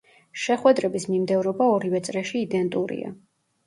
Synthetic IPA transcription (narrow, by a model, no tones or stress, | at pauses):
ʃɛχwɛd̪ɾɛbismimd̪ɛvɾɔbaɔɾivɛt̪sʼɾɛʃiːd̪ɛnt̪ʼuɾḭa̰